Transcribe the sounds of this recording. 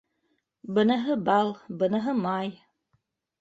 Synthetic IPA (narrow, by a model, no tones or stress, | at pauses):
bɤ̆naɦɤbɑlˠbɤ̆naɦɤmɑj